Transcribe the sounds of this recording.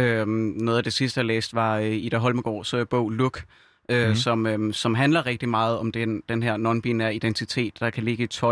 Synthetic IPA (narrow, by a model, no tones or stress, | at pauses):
ønɔ̽ːð̩ˠæd̥e̝sisd̥əjɑlḛːsd̥ʋɑ̈øiɾ̥æɦɒ̽lməɡ̥ɒ̰ːsɒeb̥ɔ̽ʊ̰luɡ̥ | øsɒ̽møsɒ̽mɦænlɐʁɛɡ̥̚d̥imɑ̈ːð̞̩ˠɒ̽md̥ed̥enɦeɐ̰nɒ̽nb̥inæɐ̰id̥ent͡sʰit͡sʰe̝̰ːd̥ːɑ̈kʰæle̝ɡ̥əit͡sʰɒ̽